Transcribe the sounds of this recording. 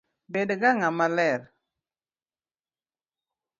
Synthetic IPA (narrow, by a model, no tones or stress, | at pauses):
bedɡaŋamalɛɾ